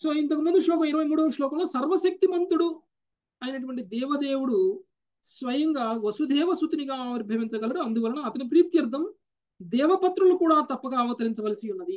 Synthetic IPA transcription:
so̞ːint̪ɐkumund̪uʂlɔːkɐmiɾɐʋɐjmuːɽɐʂlɔːkɐmloːsɐɾʋɐsɐk̚t̪imɐnt̪uɽu | ɐjinɐʈ̬uʋɐɳʈid̪ɛːʋɐd̪eːwuɽu | sʋɐjɐŋɡaːʋɐsud̪ɛːʋɐsut̪uniɡaːʋɐɾibʱɐɐʋiɲt͡ʃɐɡɐlɐɽuɐnd̪uʋɐlɐnɐɐt̪ɐnip̬ɾiːt̪jɐɾd̪ʱːɐm | d̪ɛːʋɐpɐt̪ɾulukuːɽaːt̪ɐpːɐɡaːʋɐt̪ɐɾiɲt͡ʃɐʋɐlɐsiunːɐd̪i

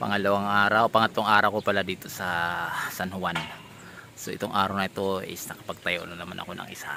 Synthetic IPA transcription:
pɐ̰ŋɐlɐwaŋʔaːɾawpɐŋɐt̪ːoŋʔaːɾɐawkopɐlad̪iːt̪o̞sɐsanhʊwan | soʔɪt̪oŋʔaːɾawnɐɪt̪o̞ʔɪ̰snɐkɐ̥pɐɡ̚t̪ɐjoʔnɐnɐmanʔɐ̰konɐ̰ŋʔɪsa̰

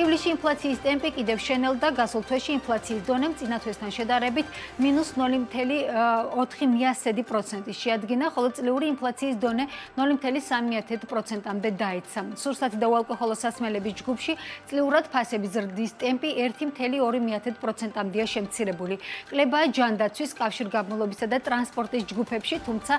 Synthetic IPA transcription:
ivliʃiːnpʰlˠat̪sʰiːst̪ʼɛmpʼikʼid̪ɛfʃɛnɛlˠd̪aɡasulˠt̪ʰwɛʃiːnpʰlˠat̪sʰiːsd̪ɔnɛmt̪sʼinat̪ʰwɛst̪ʰanʃɛd̪ʼaɾɛbit̪ʰminusnɔlt̪ʰɛliɔt̪ʰχimiasɛd̪ipʼɾɔt̪sʰɛnt̪ʼiʃɛad̪ɡinaχɔlˠɔt̪sʼliuɾiːnpʰlˠat̪sʰiːsd̪ɔnɛnɔlimt̪ʰɛlisamiat̪ʰɛd̪pʼɾɔt̪sʰɛnt̪ʼamd̪ɛd̪aɛt̪sʰasuɾsat̪ʰid̪aualˠkʼɔχɔlˠɔsasmɛlɛbisd͡ʒɡupʰʃit̪sʼliuɾad̪̥pʰasɛbizɾd̪ist̪ʼɛmpʼiʔɛɾt̪ʰimt̪ʰɛliɔɾimiat̪ʰɛd̪̚pʼɾɔt̪sʰɛnt̪ʼamd̪ɛaʃɛmt̪sʰiɾɛbulikʼlɛbaːd͡ʒand̪at̪sʰwiskʼafʃiɾɡabmulˠɔbisad̪at̪ʼɾanspʼɔɾt̪ʼisd͡ʒɡupʰɛpʃit̪ʰumt̪sʰa

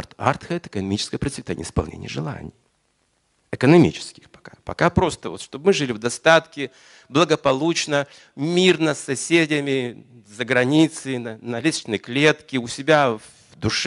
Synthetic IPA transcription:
t̪a̰t̪xəɛt̪əɨ̥kənɐmʲit͡ɕɪ̥skəjəpɾətʲsʲvʲɪt̪anʲɪ̰əɪspɐlˠnʲḛnʲɪjəʐɨlˠa̰nʲɪ̰j | ɪkənɐmʲḭt͡ɕɪ̥skʲɪ̥xpɐ̥kapɐ̰kapɾo̞st̪əvot̪ʂt̪ob̚mɨʐɨlʲɪvd̪ɐst̪at̪kʲɪ | blˠəɡəpɐlˠut͡ɕnə | mʲirnəsːɐsʲedʲɪmʲɪ | zəɡɾɐnʲit̪sɨnənɐlʲist͡ɕnəjklʲe̞t̪kʲɪʊsʲɪbʲa | vd̪ʊʂ

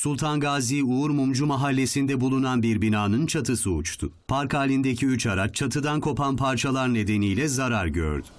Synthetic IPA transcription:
sulˠt̪ʰanɡaːziuːɾmumd͡ʒumaɦalʲːe̞sind̪ɛbulˠunanbiɾbinaːnɯnt͡ʃʰat̪ʰɯsɯ̰ːt͡ʃt̪ʰʊ | pʰaɾkaːlʲind̪ecʰiyt͡ʃaɾat͡ʃʰːat̪ʰɯd̪ankʰo̞pʰanpʰaɾt͡ʃʰalˠaɾne̞d̪e̞nijlʲɛzaɾaɾɟø̰ɾd̪y

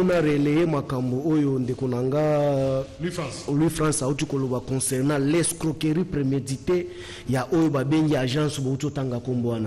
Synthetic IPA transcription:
unaʁelejemakamboojondekonaŋɡa | lwifʁãsautikolobakɔ̃sɛʁnãlɛskʁokeʁipʁemedite | jaʔojobabeŋɡiaʒãsboutiotaŋɡakombowana

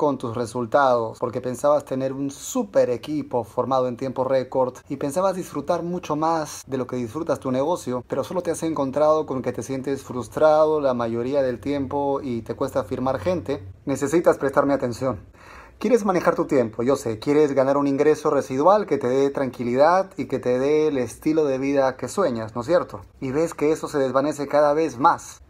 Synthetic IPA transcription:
ko̞nt̪usre̞sult̪aðo̞spo̞ɾke̞pe̞nsaβast̪e̞ne̞ɾunsupe̞ɾe̞kipo̞fo̞ɾmað̞o̞e̞nt̪je̞mpo̞reko̞ɾðipe̞nsaβazðisfɾut̪aɾmut͡ʃo̞mazðe̞lo̞ke̞ðisfɾut̪ast̪une̞ɣ̞o̞sjo̞pe̞ɾo̞so̞lo̞t̪ease̞ŋko̞nt̪ɾað̞o̞ko̞ŋket̪e̞sje̞nt̪e̞sfɾust̪ɾaðo̞lamaʝo̞ɾiaðe̞lt̪je̞mpo̞it̪e̞kwe̞st̪afiɾmaɾxe̞nt̪e̞ne̞se̞sit̪aspɾe̞st̪aɾmeat̪e̞nsjo̞n | kje̞ɾe̞zmane̞xaɾt̪ut̪je̞mpo̞ʝo̞se̞kje̞ɾe̞zɣanaɾuniŋɡɾe̞so̞re̞siðwalke̞t̪e̞ðe̞t̪ɾaŋkiliðaðike̞t̪e̞ðe̞lest̪ilo̞ðe̞βiðake̞swe̞ɲasno̞s̬je̞ɾt̪o̞ | iβe̞ske̞eso̞se̞ðe̞zβane̞sekaðaβe̞zmas

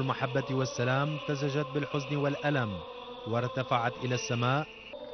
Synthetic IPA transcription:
lmaħabːawasːalaːmt̪azad͡ʒat̪̚bɪlħʊznɪwalʔalam | wɑɾˤt̪afaʕat̪ʔɪlaːsːamaːʔ

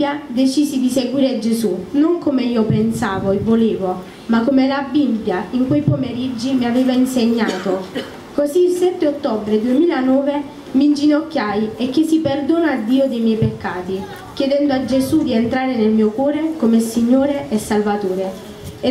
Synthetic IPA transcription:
jad̪et͡ʃiːsid̪iseɡwiːɾed͡ʒezunoŋkomeiːopensaːvoevːoleːvo | makːomelabibjaiŋkwejpomeɾid͡ʒːimiaveːvainseɲːaːt̪o | kozilsɛt̪ːeot̪ːɔbɾed̪uemiːlanɔːve | mind͡ʒinɔkːjajekːesiperd̪oːnaad̪ːiːod̪ejmjɛjpekːaːt̪i | kjɛd̪ɛnd̪oad͡ʒːezud̪ient̪ɾaːɾenelmiːokwɔːɾekomesiɲːoːɾeʔɛsːalvat̪oːɾe

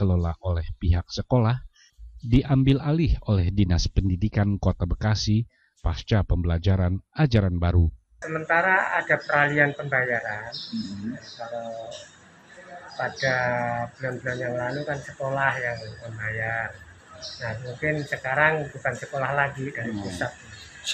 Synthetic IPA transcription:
kəlola̰ʔolɛhpiɦak̚səkolah | diʔambɪlalɪholɛhdinaspəndidikankot̪abəkasi | past͡ʃapəmbəlad͡ʒaɾanad͡ʒaɾanbaɾu | səmənt̪aɾaadapəɾalianpəmbajaɾan | kala | padabəlɔnbəlɔnjaŋlalukansəkolahjaŋməmbajar | nahmuŋkɪnsəkaɾaŋbukansəkolahlaɡidaɾipusat̪̚ɲa

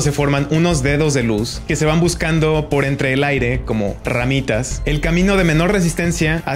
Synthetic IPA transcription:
se̞fo̞ɾmãnuno̞zðe̞ðo̞zðe̞luske̞se̞β̞ambuskand̪o̞po̞ɾe̞nt̪ɾe̞ːlajɾe̞ko̞mo̞̰ra̰mit̪ase̞lkamĩno̞ð̞e̞me̞no̞ɾre̞s̬ist̪e̞nsjaa

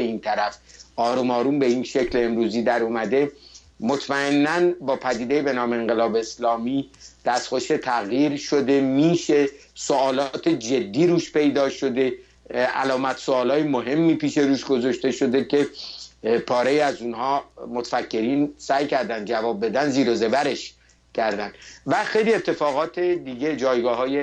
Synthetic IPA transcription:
eiːnt̪ʰæɾæfʔɒːɾumɒːɾuːmbe̞inʃe̞cʰleemɾuːziːd̪æɾumæd̪e̞ | mot̪ʰmæe̞nːænbɒːpʰæd̪iːd̪e̞jebe̞nɒːme̞eŋɡelɒːbeːslɒːmid̪̥æst̪xo̞ʃe̞t̪ʰæɣjiːɾʃo̞d̪e̞miːʃe̞soɒːlɒːt̪ʰed͡ʒe̞d̪ːiːɾuːʃpe̞jd̪ɒːʃo̞d̪e̞ | ʔæ̰lɒːmæt̪ʰsoɒːlɒːjemoɦe̞mːiːpiːʃe̞ɾuːʃɡo̞zɒʃt̪e̞ʃo̞d̪e̞kʰe̞ | pʰɒːɾejiæzunhɒːmot̪ʰfækʰːe̞ɾiːnsæːjcʰæɾd̪ænd̪d͡ʒævɒːb̚be̞d̪ænziːɾoze̞bæɾe̞ʃ | cʰæɾd̪ænd̪væxe̞jliet̪ʰːe̞fɒːɣɒːt̪ʰed̪iɟe̞d͡ʒɒːjɡɒːɦɒːje

